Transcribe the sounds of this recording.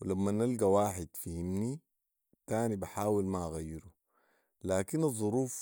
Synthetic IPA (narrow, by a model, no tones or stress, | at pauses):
wilamːanalɡawaːħɪd̪fihimni | t̪aːnibaħaːwilmaʔaɣajːiɾu | laːkinɑzˤːuɾuːf